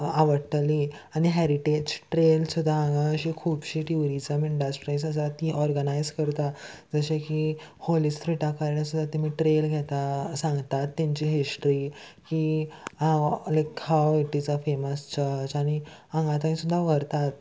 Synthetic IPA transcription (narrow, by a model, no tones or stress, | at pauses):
aʋəɾʈliː | aɽ̃iɦɛɾiʈed͡ʑʈɾelsud̪ʱːãːŋɡãɕikʰuːbɕiːʈjuɾit͡səmiɳɖasʈɾajs̬asəɾat̪iʔɔɾɡənajzkəɾt̪ad͡zəɕekiholist̪ɾiʈakəɾɳjasud̪ʱːat̪imiːʈɾelɡʱɛt̪asãŋɡt̪at̪ːãɲt͡ɕiːɦisʈɾiki | lakhawiʈid͡zəfeməst͡ɕəsaɽ̃i | ãŋɡat̪anĩsud̪ʱːaʋəɾt̪at̪